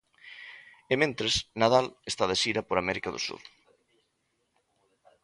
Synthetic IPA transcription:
emẽnt̪ɾesnaðalest̪aðesiɾɐpoɾamɛɾikaðo̰sṵɾ

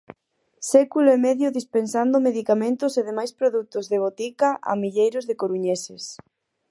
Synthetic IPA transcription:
sɛkuloemɛðjʊðispensand̪ʊmeðikamẽnt̪ʊseðemajspɾoðut̪ʊzðeβ̞ot̪ikaʔa̰miʎejɾʊzðɪkoɾuɲesɪs

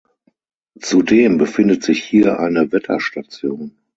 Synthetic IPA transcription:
t͡sudeːmbəfɪndətz̥ɪçhiːɐʔa̰ɪnəvɛtʰɐ̰ʃtat͡sjoːn

